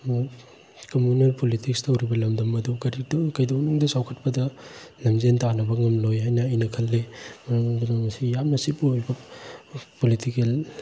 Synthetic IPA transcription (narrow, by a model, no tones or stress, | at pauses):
kɐmunelpolitʰik̚stɐwɾibɐlɐmdɐmɐdukɐɾidkɐjdownuŋdɐsawkʰɐt̚pɐdɐnɐmzentanɐbɐŋɐmlojɦajnɐːjnɐkʰɐlːemɐɾɐŋŋdunɐmɐsijapnɐsipuojbɐ | politikel